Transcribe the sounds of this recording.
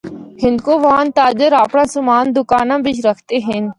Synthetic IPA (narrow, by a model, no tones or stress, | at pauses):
hɪ̃nd̪koːʋãːnt̪aːd͡ʒəɾapɳãːsʊmaːnd̪ʊkaːnãːbɪt͡ʃɾəkʰt̪eːɦɛ̃n